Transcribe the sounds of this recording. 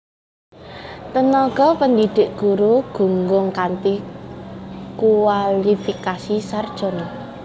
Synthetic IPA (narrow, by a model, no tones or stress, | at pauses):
t̪ənɔɡ̥ɔpənd̪id̪̥e̤ʔɡ̥uɾuɡ̥ṳŋɡʊŋkant̪i | kualifikasisard̥ʒ̥ɔ̤n